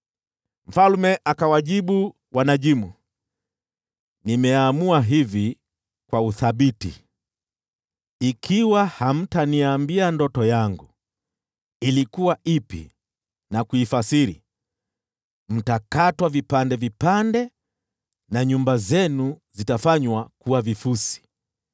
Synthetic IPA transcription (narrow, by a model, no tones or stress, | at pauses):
m̩falmɛʔakawaʄiɓu | wʔanaʄimu | nimɛamuaɦivi | kwauθaɓitḭ | ikʰiwaham̩taniambiandɔtɔjaŋɡu | ilikuwaipḭ | nakuifasiɾḭ | m̩takatwavipandɛvipandɛ | naɲumbazɛnuzitafaɲwakuwavifusi̥